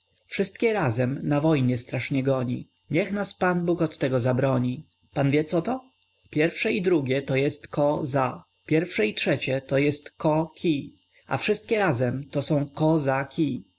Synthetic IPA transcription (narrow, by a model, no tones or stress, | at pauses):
fʂɘst̪kʲɛɾazɛmnavɔjɲɛst̪ɾaʂɲɛɡɔɲḭ | ɲɛxnaspanbukɔt̪ːɛɡɔzabɾɔɲi | panvʲjɛt̪sɔt̪ɔ | pʲjɛɾfʂɛid̪ɾuɡʲjɛt̪ɔjɛst̪kɔza | pʲjɛɾfʂɛitʂɛt͡ɕɛt̪ɔjɛst̪kɔkʲʰi | a̰fʂɘst̪̚kʲɛɾazɛmt̪ɔsɔ̃w̃kɔzakʲi